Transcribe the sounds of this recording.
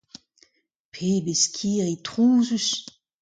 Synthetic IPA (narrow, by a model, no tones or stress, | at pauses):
pʰeːbeskʰiːʁit̪ʁuːzys